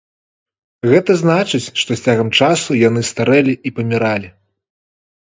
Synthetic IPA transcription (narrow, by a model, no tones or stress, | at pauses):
ɣɛt̪ɐznat͡ʂɨt͡sʲʂt̪ɔsʲt͡sʲaɣɐmt͡ʂasujanɨst̪aɾɛlʲiʔipɐmʲiɾalʲi